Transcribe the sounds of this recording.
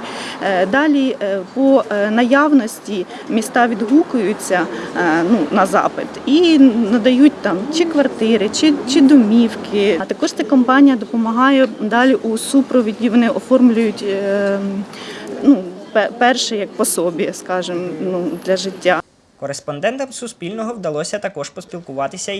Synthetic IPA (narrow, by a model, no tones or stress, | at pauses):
d̪ɑlʲipɔnɐjɑwnɔsʲtʲi | mʲist̪ɑʋʲid̪ɦukʊjʊt͡sʲːɐnunɐzɑ̰pɪt̪inɐd̪ɐjutʲt̪ɑmt͡ʃɪkʋɐrt̪ɪɾɪt͡ʃɪt͡ʃɪd̪ɔmʲiwkɪt̪ɐkɔʃt̪sɛkɔmpɑnʲijɐd̪ɔpɔmɐɦɑjɛd̪ɑlʲiʔusupɾɔʋʲidʲiʋɔnɪʔɔfɔrmlʲʊjʊtʲ | nupɛpɛrʃɛjɐk̚pɔsɔbʲiskɑʒɪmnud̪lʲɐʒɪtʲːa | kɔɾespɔnd̪ɛnt̪ɐmsʊspʲilʲnɔɦɔwd̪ɐlˠɔsʲɐt̪ɐkɔʒpɔsʲpʲilˠkʊʋɑt̪ɪsʲɐ